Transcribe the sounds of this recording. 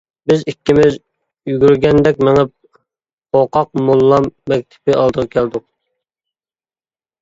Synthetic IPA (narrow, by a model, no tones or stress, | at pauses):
bɪzikʲːimɪz | jyɡʲyɾɡʲɛnd̪ɛkʲmɪŋɪp̚ | oqʰɑq̚mulˠːɑmːɛk̚ʲt̪ʰɪ̥pɪʔɑlˠd̪əʁɑkʲʰæld̪ʊq̚